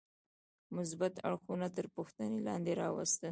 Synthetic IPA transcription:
mʊs̬bat̪a̰ɽxunat̪əɾpuxt̪anelɑ̰nd̪eɾɑwa̰st̪ə

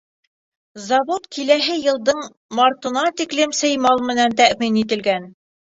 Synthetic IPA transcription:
zɑβot̪kʰilæɦɘjɤ̆lˠd̪ɤɴ | mɑɾt̪ɤ̆nɑt̪iklɘmsɤ̆jmɑlˠmɘ̆nænt̪æʔminit̪̬ɘ̆lɡæn

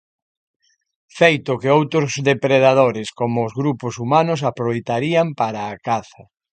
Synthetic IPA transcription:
fejt̪ʊkɪowt̪ɾʊzðepɾeðað̞oɾɪskomʊːzɣɾupʊsumanʊs̬apɾoβejt̪aɾiampaɾaːkaθɐ

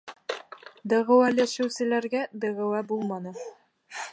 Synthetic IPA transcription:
d̪ɤ̆ʁɘ̆wælæʃɘ̆wsɘ̆læɾɡæd̪ɤ̆ʁɤ̆wæbulˠmɑnɤ

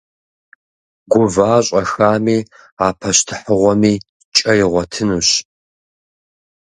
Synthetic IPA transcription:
ɡʷʊvaːɕʼɐxaːmiː | aːpʰɐɕtʰɨ̥ħəʁʷɔmiː | t͡ʃʼɐjɪʁʷɔtʰɨnuɕ

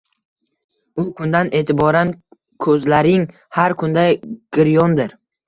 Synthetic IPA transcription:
ʊkʰʊnd̪ane̞ːt̪ʰɪbɒɾan | kʰɵzlaɾɪŋ | haɾkʰʊnd̪aɡ̥ɪɾjɒnd̪ɪɾ

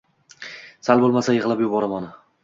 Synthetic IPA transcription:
salbolˠmasajɪʁɨlˠapjʊbɒɾamanɪ

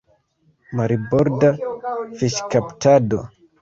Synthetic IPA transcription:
maɾibɔɾdafiʃkaptado

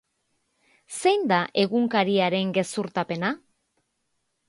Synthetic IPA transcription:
sejnd̪aʔe̞ɣuŋkaɾiaɾe̞ŋɡe̞suɾt̪ape̞na

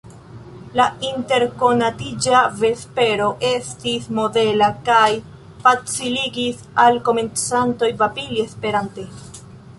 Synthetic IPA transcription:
lainte̞ɾko̞natid͡ʒave̞spe̞ɾo̞ʔe̞stismo̞de̞lakaj | fat͡siliɡis | alko̞me̞nt͡santo̞jvapilie̞spe̞ɾante̞

